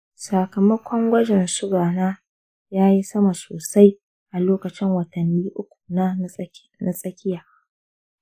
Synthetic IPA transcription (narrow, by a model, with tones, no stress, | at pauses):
sa˨kɐ˨mɐ˦kʷɔ˦ŋɡʷɐ˦d͡ʒɛ˨nsʊ˦ɡaː˨naː˦ | jaː˦ji˦sɐ˦ma˨soː˨sa˦j | ʔa˨loː˦kɐ˨t͡ʃɪ˦ŋwɐ˨tɐ˨nːiː˦ʔʊ˦kʷu̥˨na˦ | na˨sʼɐ˦kʲɪ˦jaː˨